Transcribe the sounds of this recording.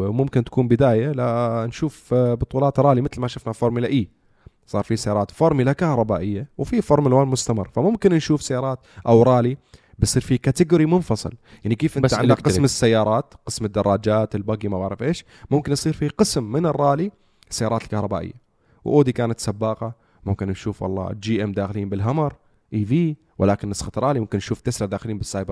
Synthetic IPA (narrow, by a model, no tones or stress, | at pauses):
mʊmkɪnt̪ḁkuːmbɪd̪aːjalanʃuːfbʊt̪ˤuːlɑːt̪ɾˤɑːlimɪt̪lmaʃʊfnafoːɾˤmɪlaʔiː | sˤɑːɾˤfisajɑːɾˤɑːt̪foɾˤmɪlakahɾˤɑbaːʔɪjːawfifʊɾmɪlwaːnmʊst̪amɪ̰rˤːfamʊmkɪnnʃuːfsajːɑːɾˤɑːt̪ʔawɾˤɑːli | bɪjsˤiːɾfikaːt̪ɪɡuːɾimʊnfɑsˤɨ̰ljaʕnːikeːfʔɪnt̪aʕɪnd̪akqɪsmɪsːajːɑːɾˤɑːt̪qɨsmɪd̪ːɑrˤːɑːd͡ʒaːt̪ɪlbaɡimabaʕɾɪfʔeːʃ | mʊmkɪnsˤiːɾfiqɨsmːɪnɪrˤːɑːli | sːajːɑːɾɑːt̪ɪlkahɾˤɑba̰ːʔɪ̰jːa | wʔoːd̪ikaːnat̪sabːɑːqɑ | mʊmkɪnnʃuːfwɑ̰lˤːɑ̰ːd͡ʒiːʔɪmd̪aːxɪliːmbɪlɦamɑɾˤ | ʔiːviː | wʔɪlaːkɪnːɑsˤxɑt̪ɾˤɑːlimʊmkɪnːnʃuːft̪ɪsɾˤɑd̪aːxɪliːnbɪsːaːjbɾ